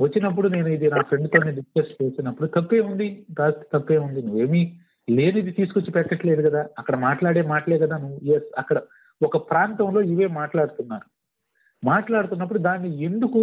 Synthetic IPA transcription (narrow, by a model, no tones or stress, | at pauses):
ʋɐt͡ʃːinɐp̬ːuɽune̞ːnuid̪inaːpʰɾe̞ɳɖt̪o̞ːneːɖiskɐst͡ʃe̞ːsinɐpːuɽut̪ɐpːe̞ːund̪iɾaːɐst̪i̥t̪ɐpːe̞ːund̪inuʋːe̞ːmi | le̞ːnuid̪it̪iːsu̥kot͡ʃːipɛkːɐʈle̞ːd̪ukɐd̪aːɐkːɐɽɐmaːʈlaːɽeːmaːʈɐleːkɐd̪aːnuʋːujesɐkːɐɽɐ | ɔkɐpɾaːnt̪ɐmlo̞ːiʋe̞ːmaːʈlaːɽut̪unːaːnu | maːʈlaːɽut̪unːɐp̬ːuɽud̪aːnːie̞nd̪uku